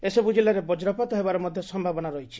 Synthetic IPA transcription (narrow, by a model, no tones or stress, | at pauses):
esebud͡ʒilːaɾebɔd͡ʒɾɔpat̪ɔɦebaɾɔmɔd̪ʱjɔsɔmbʱabɔnaɾɔɦit͡ʃʰi̥